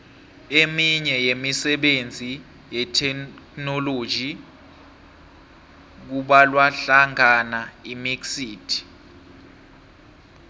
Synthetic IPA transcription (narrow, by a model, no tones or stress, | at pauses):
emiɲɛjemisɛɓend͡zʱi | jɛtʰɛknɔlo̥ʒʱi | k̬uɓalwaɬaŋanaimiksiːtʰi̥